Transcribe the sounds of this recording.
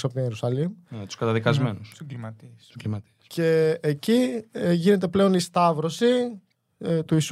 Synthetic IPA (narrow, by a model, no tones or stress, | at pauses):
sɐpot̪injeɾusɐlimt̪u̥skɐt̪ɐðikɐzmenussoimɐt̪isimɐt̪icʰe̞ːciʝine̞t̪̬e̞ple̞o̞nist̪ɐvɾo̞si | t̪uis